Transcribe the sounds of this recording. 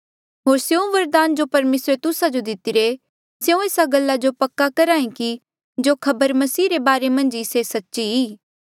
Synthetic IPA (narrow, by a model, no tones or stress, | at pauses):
ɦoːɾseũʋɐɾd̪aːnd͡ʒopɐɾmeːsɾet̪ʊsad͡ʒod̪ɪt̪ɪɾe | seũeːsaɡɐlːad͡ʒopɐkːakɐɾaːĩki | d͡ʒoːkʰɐbəɾmɐsiːɾebaːɾemɐ̃nd͡ʒɪsesɐtːʃiiː